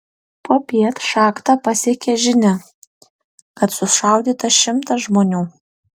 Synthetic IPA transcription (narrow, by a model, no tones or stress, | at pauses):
poːpʲiɛt̪ʃɑːkt̪ɑpɐsʲiɛkʲɛʒʲɪnʲɛ | kɐt̪sʊʃɐˑʊd̪ʲiːt̪ɐʃʲɪmt̪ɐsʒmoːnʲuː